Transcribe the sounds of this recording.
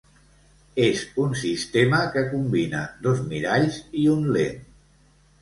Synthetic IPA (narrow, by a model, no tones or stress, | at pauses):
ezunsist̪eməkəkumbinə̰d̪ozmiɾaʎziunlḛn